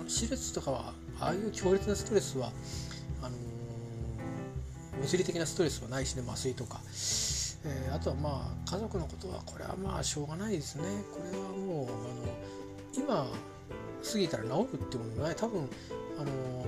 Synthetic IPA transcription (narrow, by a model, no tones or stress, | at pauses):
nɕiɾɯt͡sɨ̥t̪o̞kaβa̰ | a̰ːjɯ̟ːkʲʰo̞ːɾʲit͡sɨnasɨ̥t̪o̞ɾe̞sɨβa | ano̞ | mʲizɨɾʲit̪e̞kʲinasɨ̥t̪o̞ɾe̞sɨβanaiɕine̞masɨit̪o̞ka̰ | eːat̪o̞βamaːkʰazo̞kɯ̟no̞ko̞̥t̪o̞βa̰kʰo̞ɾe̞̰βa̰ma̰ːɕo̞ːɡanaid̪e̞sɨne̞kʰo̞ɾe̞βamo̞ːano̞ | ima | sɨɡʲit̪aɾanaoɾɯ̟t̪ːemoonait̪abɯ̟̃ŋ̃ano̞